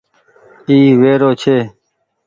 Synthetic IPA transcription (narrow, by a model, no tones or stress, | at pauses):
kiːʋeːɾoːt͡ʃʰeː